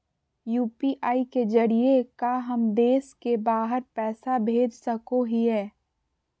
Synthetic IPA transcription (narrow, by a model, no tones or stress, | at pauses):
juːpiʔaːiked͡ʒɐɽiekaɦɐmd̪eːskebaːɦəɾpɛːsabʱeːd͡ʒsɐkoɦiɦɛː